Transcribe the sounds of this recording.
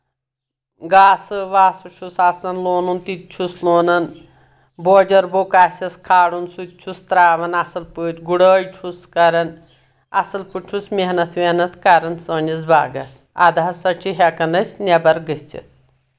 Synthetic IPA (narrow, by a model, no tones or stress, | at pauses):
ɡaːsɨʋaːsɐʃʰusasɐnloːnunt̪it̪̚t͡ʃʰusloːnɐn | boːd͡ʒɐɾbokasʲɐskʰaːɽunsut̪̚t͡ʃʰust̪ɾaːʋɐnɐsɨlpɨʈʲɡuɽəːjt͡ʃʰuskɐɾɐn | ɐ̰sɨlpɨʈʰusmeɦnɐt̪ʰʋehnɐt̪ʰkɐɾɐnsəːnʲizba̰ːɡɐsa̰d̪ɐɦɐsɐt͡ʃʰiɦekɐnɐsʲnʲɐbɐɾɡɨsʲt͡ʃʰḭt̪̚